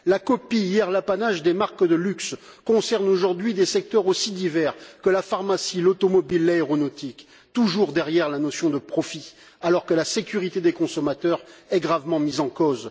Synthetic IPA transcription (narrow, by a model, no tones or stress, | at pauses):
lakɔpijɛʁlapanaʒd̪emaʁkd̪əlyks | kɔ̃sɛʁnoʒuʁd̪ɥid̪esɛk̚t̪œʁosid̪ivɛʁkəlafaʁmasilot̪ɔmɔbilːaeʁɔnɔt̪ik | t̪uʒuʁd̪ɛʁjɛʁlanɔsjɔ̃d̪əpχɔfi | alɔʁkəlasekʲyʁit̪ed̪ekɔ̃sɔmat̪œʁɛɡʁavmɑ̃mizɑ̃koz